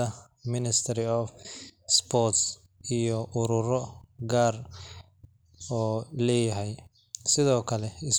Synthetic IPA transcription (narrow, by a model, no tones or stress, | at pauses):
ɐ | mɪnɪst̪ʰɐɾɪɔfspʰɔrt̪s | ijɔʔʊɾʊrɔɡaːr | ɔːlɛːjɐɦɛj | sɪðɔːkʰɐlɛɪs